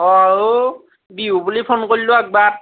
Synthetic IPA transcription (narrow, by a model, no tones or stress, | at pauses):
ɔaɹu | biubulipʰonkolilʊaɡ̚bat̚